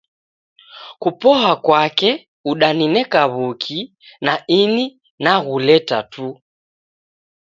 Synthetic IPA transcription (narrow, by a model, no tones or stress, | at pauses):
kupɔɦakwakɛ | uɗaninɛkaβukʰi | naini | naɣulɛta̰tu